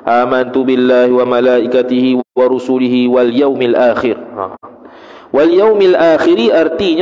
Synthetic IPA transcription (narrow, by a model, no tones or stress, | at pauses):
ʔaːmant̪ʊbɪlːaːhɪwamalaːʔɪkat̪ɪhɪwaɾˤʊsʊlɪhɪwaljawmalʔaːxɪɾha̰ | waljawmalʔaːxɪɾiʔaɾˤt̪iːn